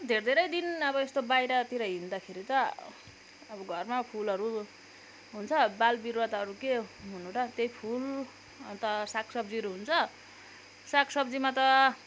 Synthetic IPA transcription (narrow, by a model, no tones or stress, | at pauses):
d̪ʱeɾd̪ʱeɾʌjd̪inʌbʌest̪obajɾʌt̪iɾʌɦind̪akʰeɾit̪ʌː | bʌɡʱʌrmapʰulʌɾu | ɦunt͡sʰʌbalbirwat̪ɦʌɾukeɦunuɾʌt̪ejpʰul | ʌt̪ʌsakʰsʌbd͡ziʌɾuɦunt͡sʰʌ | sakʰsʌbd͡zimat̪ʌ